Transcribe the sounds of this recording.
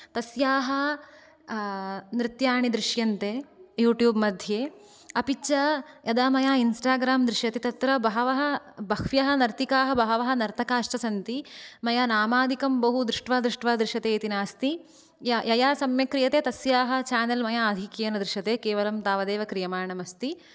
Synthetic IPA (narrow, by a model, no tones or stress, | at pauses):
t̪ɐsjaːɦɐ | nɾɪt̪jaːɳid̪ɾɪʂjɐnt̪eːjuːʈjuːbmɐd̪ʱjeː | ɐpit͡ʃɐjɐd̪aːmɐjaːinsʈaːɡɾaːmd̪ɾɪʃjɐt̪it̪ɐt̪ɾɐbɐɦɐʋɐɦɐbɐkʰʋjɐɦɐnɐɾt̪ikaːɦɐbɐɦɐʋɐɦɐ̆nɐɾt̪ʰɐkaːʃt͡ʃɐsɐnt̪imɐjaːnaːmaːd̪ʱikɐmbɐɦud̪ɾɪʂʈʋaːd̪ɾuʂʈʋaːd̪ɾɪʃɐt̪eːt̪inaːst̪i | jɐjɐjaːsɐmjɐkɾijɐt̪eːt̪ɐsjaːɦɐ̆t͡ʃaːnɐlmɐjaːɐd̪ʱikiːɐnɐd̪ɾɪʃɐt̪eːkeːʋɐlɐmt̪aːʋɐd̪eːʋɐkɾijɐmaːɐɳɐmɐst̪i